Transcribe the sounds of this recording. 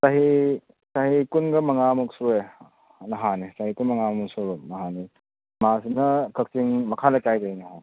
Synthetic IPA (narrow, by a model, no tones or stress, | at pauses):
saɦi | sahikunɡɐmɐŋamuk̚sue | nɐɦanisaɦikumɐŋammuŋsunɐɦani | masinɐkʰɐk̚siŋmɐkʰalɐtajdainɐɦan